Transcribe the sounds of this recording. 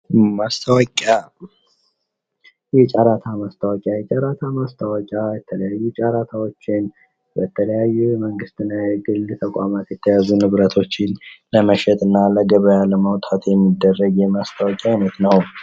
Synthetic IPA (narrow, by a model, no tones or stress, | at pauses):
mast̪ʰəwkʼa | jɛt͡ʃʼaɾat̪ʰamast̪ʰəwɔkʼjajɛt͡ʃʼaɾat̪ʰamast̪ʰəwɔkʼjajɛt̪ʰələjajːut͡ʃʼaɾat̪ʰawo̞t͡ʃːɪn | bət̪ʰələjajːuməŋɡɨst̪ɨnːajɛɡɨlt̪ʰəkʷʼamat̪jɛt̪ʰːəjazunɨβɾət̪ʰo̞t͡ʃːɪnləməʃɛt̪ʼɨnːaləɡəβəjaləməwt̪ʼʰat̪jɛmːid̪ːərːəɡjɛmast̪ʰəwɔkʼjaɪnət̪nəw